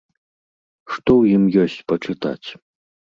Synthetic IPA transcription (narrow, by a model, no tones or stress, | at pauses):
ʂt̪ɔwjimjɔsʲt͡sʲpɐt͡ʂɨt̪a̰t͡sʲ